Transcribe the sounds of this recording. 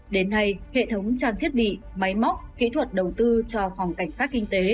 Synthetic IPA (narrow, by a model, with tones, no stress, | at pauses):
ɗe˨˦nːa˧jhḛ˧˨t̪ʰə˨˦wŋ͡mt͡ɕaː˧˩ŋt̪ʰi˦˥ət̚ɓḭ˧˨ | ma˨˦jma˦˥k͡p̚kḭ˧˥t̪ʰwə˨˩t̚ɗə˨˩wt̪ɨ˧t͡ɕɔ˧fa˨˩wŋ͡mka˧˩jŋ̟saː˦˥t̚kï˧ŋ̟t̪e˨˦